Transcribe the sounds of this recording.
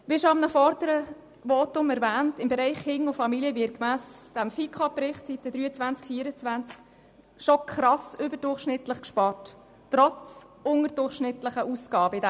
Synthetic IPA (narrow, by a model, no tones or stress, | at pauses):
bɪʃoɑmnəfɔɾdəɾə | vɔːtʊmɛɾvæːntɪmbɛɾɛɪχhɪŋʊfɑmiliəʋɪɾ̚kmæːsd̥æmfikʰɑpːɾɪχtsitəd̪ɾyːət͡svænt͡skfiːɾət͡sʋænt͡sk | ʃɔkʰχɾɑsʏbəɾd̥ʊrχʃnɪtləχkʃpɑrt | tːrɔt͡s | ʊŋəɾdʊrχʃnɪtləχəʔuskɑːbəɪdæ